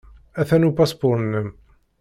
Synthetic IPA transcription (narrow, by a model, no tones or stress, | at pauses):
æθænupɑsbʊɾˤənːəm